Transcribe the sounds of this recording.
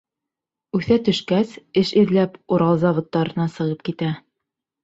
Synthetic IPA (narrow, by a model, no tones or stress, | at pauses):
ʉθæt̪ɵ̆ʃkæsɘʃiðlæpuɾɑlˠzɑβŏt̪ːɑɾɤ̆nɑsɤ̆ʁɤp̚kit̪æ